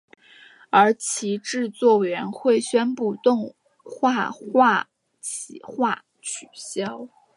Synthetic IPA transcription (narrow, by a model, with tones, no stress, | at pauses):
ə˞˧˥t͡ɕʰi˧˥ʈ͡ʂɻ̩˥˧t͡swɔ˥˩we˨˩ɪɥɛ˧˥nxwe˥˩ɪɕɥɛ˥npu˥˧t̪ʊ˥˧ŋ | xwa˥˧xwa˥˩ | t͡ɕʰi˨˩xwa˥˩ | t͡ɕʰy˨˩ɕjɑ˥ʊ